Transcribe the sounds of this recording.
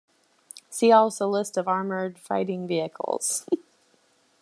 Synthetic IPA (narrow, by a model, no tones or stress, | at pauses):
siɔlˠsoʊlɪstʌvɑɹmə˞d̥fa̰ɪɾɪ̃ŋviɨkʰl̩ˠz̥